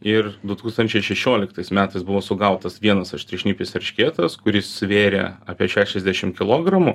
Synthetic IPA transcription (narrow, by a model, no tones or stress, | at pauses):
ɪrd̪ʊt̪uːkst̪ɐnʲt͡ʃʲɛɪʃʲɛʃʲoːlʲɪkt̪ɐɪsmʲæːt̪ɐɪsbʊʋoːsʊɡɐʊt̪ɐsʋʲiɛnɐsɐʃʲt̪ʲɾʲɪʃʲnʲiːpʲɪsɛɾʲʃʲkʲeːt̪ɐskʊɾʲɪssʋʲeːɾʲḛɑːpʲiɛʃʲæːʃʲɛzʲd̪ʲæʃʲɪmkʲɪlˠoːɡɾɐmʊ